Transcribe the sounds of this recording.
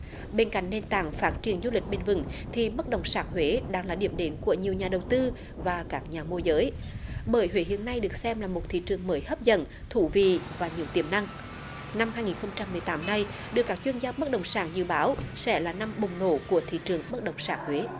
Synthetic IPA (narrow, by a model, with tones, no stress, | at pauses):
ɓe˧nka̰˧˨jŋ̟ne˧nt̪a̰ː˧˩ŋfaː˦˥t̚t͡ɕi˧˩ənzu˧lï˨˩k̟̚ɓe˧nvɨ̰˧˩˦ŋt̪ʰi˨˩ɓə˦˥t̚ɗə˨˩wŋ͡msaː˨˥ŋ̚hwe˨˦ɗaː˧ŋlaː˨˩ɗḭ˧˩əmɗe˨˦nku˧˩əɲi˨˩əwɲaː˨˩ɗə˨˩wt̪ɨ˧ | vaː˨˩kaː˦˥k̚ɲaː˨˩mu˧əzəː˨˦jɓəː˧˩jhwe˨˦ɦḭ˧˨ənːa˧jɗɨ˨˩ək̚sɛ˧mlaː˨˩mo˨˩t̚t̪ʰḭ˧˨t͡ɕɨ˨˩əŋməː˨˦jhəː˦˥p̚zə̰˧˨n | t̪ʰu˧˩vḭ˧˨vaː˨˩ɲi˨˩əwt̪i˧˩əmna˧ŋ | na˧mhaː˧jŋi˨˩nxə˧wŋ͡mt͡ɕa˧mːɨ˨˩əjt̪aː˨˦mna˧j | ɗɨ˨˩əkːaː˦˥k̚t͡ɕwi˧ənzaː˧ɓə˦˥t̚ɗə̰˨˩wŋ͡msaː˧˩ŋzɨ̰˧˨ɓaː˨˦wsɛ̰˧˥laː˨˩na˧mɓʊ˨˩wŋ͡mno̰˧˩˨ku˧˩ət̪ʰḭ˧˨t͡ɕɨ˨˩əŋɓə˦˥t̚ɗə˨˩wŋ͡msaː˨˩ŋ̚hwe˨˦